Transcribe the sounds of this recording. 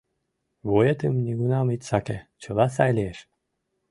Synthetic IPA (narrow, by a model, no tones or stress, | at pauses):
βojet̪əmnʲiɡunɑmit̪ʲsɑket͡ɕəlɑs̬ɑjlʲeeʃ